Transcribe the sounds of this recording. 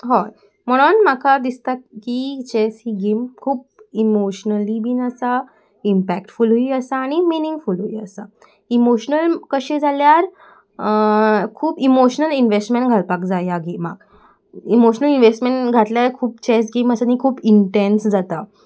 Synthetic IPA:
ɦo | m̤əɽ̃onmakʰad̪ist̪akit͡ɕesɦiɡemkʰuːp̚imoɕnəlibinəsa | impækʈfulɦuiəsaːɽ̃iminĩŋɡfulɦuiəsa | imoɕnəlkəɕẽd͡zaljaɾ | kʰuːpimoɕnəlinʋesʈmẽɳʈɡʱaɭpakd͡zajaɡema̰ɡ | imoɕnəlinʋesʈmeɳʈɡʱat̪ljakʰuːpt͡ɕes̬ɡeməsanikʰuːpiɳʈensd͡zat̪a

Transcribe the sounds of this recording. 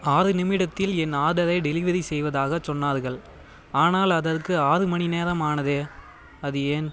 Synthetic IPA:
aːɾɯnɪmɪɽɐt̪ːɪlɛnaːðɐɾɐɪɖɛlɪʋɐɾisɛjʋɐðaːɣɐt͡ʃɔnːaːɾɣɐɭ | aːnaːlɐðɐɾkɯaːɾɯmɐnineːɾɐmaːnɐðeː | ɐðɯeːn

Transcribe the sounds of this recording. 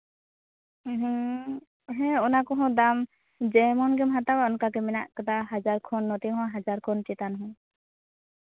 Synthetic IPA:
ɦ̩ | ɦɛ̃ɔnakɔ̃ɦɔ̃d̪am | d͡ʒɛmɔnɡɛmɦat̪awaɔnkakɛmɛna̰ʔkad̪aɦad͡ʒaɾkʰɔnːɔt̪ɛɦɔ̃ɦad͡ʒaɾkʰɔnt͡ʃɛt̪anɦɔ̃

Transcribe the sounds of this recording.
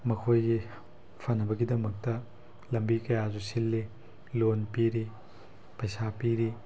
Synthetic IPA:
mɐkʰojɡi | pʰanɐbɐɡidɐmɐk̚tɐ | lɐmbikɐjazusilːi | lonpiɾi | pɐjsapiɾi

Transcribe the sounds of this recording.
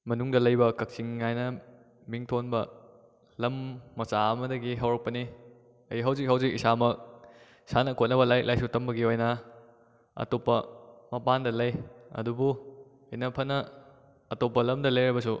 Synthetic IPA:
mɐnuŋdɐlɐjbɐkɐk̚t͡ʃiŋːajnɐ | miŋtʰonbɐ | lɐmːɐsaɐmɐdɐɡiɦɐwɾɐk̚pɐni | ɐjiɦɐwzik̚ɦɐwzik̚isamɐk̚ | sanɐkʰot̚nɐbɐlajk̚lajsutɐmbɐɡiojnɐ | ɐ̰topːɐmɐpandɐlɐjɐ̰dubu | inɐpʰɐnɐː | topːɐlɐmdɐlɐjɾajbɐsu

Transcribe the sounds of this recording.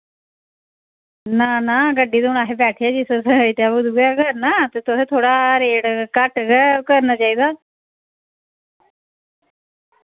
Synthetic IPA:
naːnaːɡəɖːiːd̪oːɽ̃aːɦeːbɛːʈʰeɛːd͡ʒɪsesɪt̪aːbʊd̪uːɡɛːkəɾnaːt̪eːt̪ʊseːt̪ʰoːɽaːɾeːɽkəʈɡɛːkəɾnaːt͡ʃaːiːd̪aː

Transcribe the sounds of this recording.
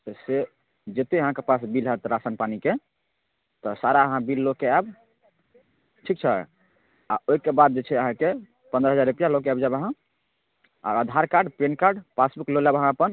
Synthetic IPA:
t̪se | d͡ʒet̪eəɦãkepasbilɦɛt̪ɾasanpanike | t̪ɔsaɾaəɦãbilːokeab | ʈʰik̚t͡ʃʰɛ̰ | a̰oikebad̪̚d͡ʒet͡ʃʰɛəɦãke | pənd̪ɾəɦəd͡ʒaɾɾupjalokeabd͡ʒabəɦã | a̰əd̪ʱaɾkaɾɖpenkaɾɖpasbuklolabəɦãəpən

